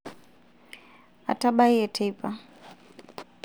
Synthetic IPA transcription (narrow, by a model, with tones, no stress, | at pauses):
a̰˨ta˦ɓa˦i˦ɛ˨tʰɛ˦ipʰa˨